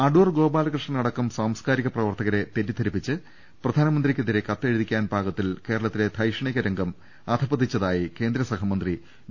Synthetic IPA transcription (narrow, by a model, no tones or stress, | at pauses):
ɐɖuːrɡo̞ːbaːlɐkrɨʂɳɐnɐɽɐkːɐmsaːmskaːɾiɣɐprɐʋɐrt̪ɐɣɐɾe̞t̪eɾid̪ʰʱɐɾipːit͡ɕːɨ | prɐd̪ʱaːnɐmɐnd̪rikʲːeðiɾe̞kɐt̪ːeɻiðikʲːaːnbʱaːɡɐt̪ːilke̞ːɾɐɭɐt̪ːile̞t̪ʰɐjʂɐɳiɣɐɾɐŋɡɐm | ɐd̪ʰʱɐbɐd̪ːit͡ɕːɐðaːjike̞ːnd̪ɾɐsɐɦɐmɐnd̪ri